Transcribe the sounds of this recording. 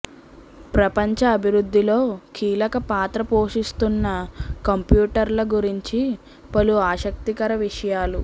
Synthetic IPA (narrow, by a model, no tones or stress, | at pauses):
pɾɐpɐɲt͡ʃɐːbʱiɾud̪ːilo̞ːkiːlɐkɐpaːt̪ɾɐpoːʂist̪unːɐkɐmpjuːʈɐɾlɐɡuɾiɲt͡ʃi | pɐluaːʃɐk̚t̪ikɐɾɐʋiʂɐjaːlu